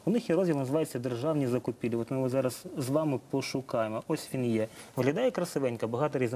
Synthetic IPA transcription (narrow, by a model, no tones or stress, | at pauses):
ʊnɪxjiɾɔzʲilˠnɐzɪʋɑjʊt͡sʲːɐd̪erʒɑwnʲizɐkʊpʲilʲiɔt̪mɪʋzɑɾɐz̥zʋɑmɪpɔʃʊkɑjemɔɔsʲʋʲinjɛʋɦlʲɐd̪ɑjɛkɾɐsɪʋɛnʲkɐbɐɦɑt̪ɔɾʲiz